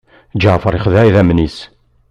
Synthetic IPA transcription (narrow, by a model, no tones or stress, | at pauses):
d͡ʒəʕfəɾˤiχðæjðæmnis